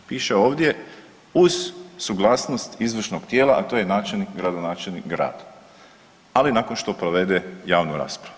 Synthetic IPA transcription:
piːʃeo̞ːʋd̪je̞ | uz̥suɡlˠaːsnost̪izʋr̩ʃnoɡt̪je̞ːlˠaʔat̪o̞jenaːt͡ʃelnikɡɾad̪onaːt͡ʃelnikɡɾa̰ːd̪̥ | alinaːkonʃt̪o̞pɾoʋe̞d̪ejaːʋnuɾa̰ːspɾau

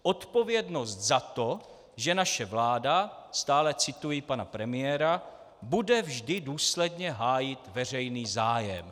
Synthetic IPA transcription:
ʔo̞t̪po̞vjɛdno̞st̪zat̪o̞ | ʒɛnaʃɛvlaːdast̪aːlɛt͡sɪt̪ujɪpanapɾɛmɪjɛːɾa | budɛvʒdɪduːslɛdɲɛɦaːjɪt̪vɛr̝ɛjniːzaːjɛ̰m

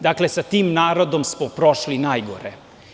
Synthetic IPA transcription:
d̪aːklesat̪iːmnaːɾod̪omsmɔpɾoʃlinaːjɡoɾe

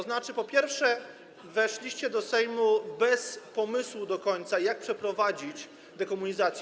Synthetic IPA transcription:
ɔznat͡ʂɘpɔpʲjɛɾfʂɛ | vɛʂlʲiɕt͡ɕɛd̪ɔsɛjmubɛspɔmɘswud̪ɔkɔɲt̪sajak̚pʂɛpɾɔvad͡ʑit͡ɕ | d̪ɛkɔmuɲizat̪sj

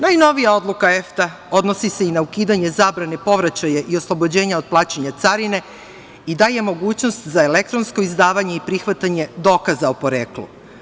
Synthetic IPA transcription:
najno̞ʋijao̞d̪lˠukaeft̪a | o̞d̪no̞sise̞inaukiːd̪aɲe̞zaːbɾane̞po̞ʋɾat͡ɕajaʔio̞slˠo̞bo̞d͡ʑe̞ːɲaod̪̚plˠaːt͡ɕeɲat̪saɾine̞ | id̪aːje̞mo̞ɡuːt͡ɕno̞st̪zaelek̚t̪ɾo̞nsko̞izd̪aːʋaɲe̞ipɾixʋat̪aɲe̞d̪o̞ːkazaopo̞ɾeːklṵ

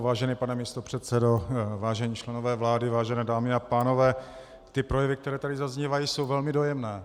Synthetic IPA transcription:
vaːʒɛniːpanɛmist̪opr̥ɛt̪sɛdovaːʒɛɲiːt͡ʃlɛno̞vɛːvlaːdɪvaːʒɛnɛːdaːmɪapaːno̞vɛː | t̪ɪpɾo̞jɛvɪk̚t̪ɛɾɛːt̪adɪzazɲivajiso̞wvɛlmɪdo̞jɛmnɛː

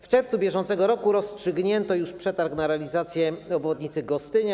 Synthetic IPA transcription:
ft͡ʂɛɾft̪subʲjɛʐɔnt̪sɛɡɔɾɔkuɾɔstʂɘɡɲɛnt̪ɔjuʂpʂɛt̪aɾknaɾɛalʲizat̪sʲjɛɔbvɔd̪ɲit̪sɘɡɔst̪ɘɲa

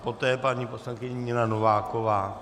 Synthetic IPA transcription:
po̞t̪ɛːpaɲiposlaŋkɪɲɪɲɪnanovaːko̞vaː

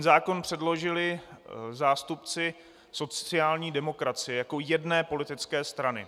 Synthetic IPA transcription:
nzaːko̞npr̝̥ɛdlo̞ʒɪlɪzaːst̪upt͡sɪ | so̞t͡sɪaːlɲiːdɛmo̞kɾat͡sɪjɛjako̞jɛdnɛːpo̞lɪt̪ɪt͡skɛːst̪ɾanɪ

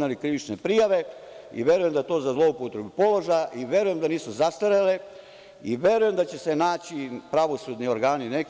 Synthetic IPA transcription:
nalikɾiʋit͡ʃnepɾijaʋe̞ | ḭʋje̞ɾujemd̪at̪o̞ːzazlˠo̞upot̪ɾe̞bupo̞loʒajʔiʋje̞ɾuje̞md̪aniːsuzast̪aɾale | iʋʲje̞ɾuje̞md̪at͡ɕe̞senaːt͡ɕipɾaʋo̞sud̪nioɾɡaːninek

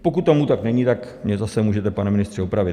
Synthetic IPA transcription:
po̞kut̪ːomut̪aknɛɲit̪akmɲɛzasɛmuːʒɛt̪ɛpanɛmɪnɪst̪r̝̥ɪopɾavɪ

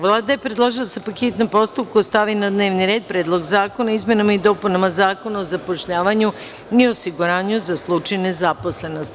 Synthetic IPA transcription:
ʋlˠaːd̪ajepɾed̪lˠoʒilˠasapaket̪nompo̞st̪up̚kust̪aʋinad̪ne̞ːʋniɾe̞ːd̪̚pɾeːd̪lˠo̞ɡzaːko̞naizmʲje̞namaid̪o̞ːpunamazaːko̞naozapo̞ʃʎaːʋaɲu | iosiɡuɾaːɲuzaslˠut͡ʃajne̞zapo̞sle̞no̞st̪

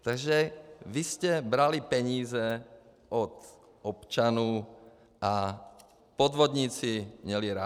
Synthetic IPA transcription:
t̪aɡʒɛviscɛbɾalipɛɲiːzɛ | ʔɔt̪ | ʔɔpt͡ʃanuː | ʔa | pɔd̪ʋɔd̪ɲiːt͡simɲɛliɾa

